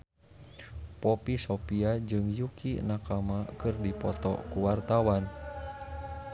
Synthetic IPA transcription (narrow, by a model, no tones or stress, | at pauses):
pɔpisɔpiad͡ʒɨŋjukḭnakamakɨrdipɔt̪ɔ̰kuwart̪awan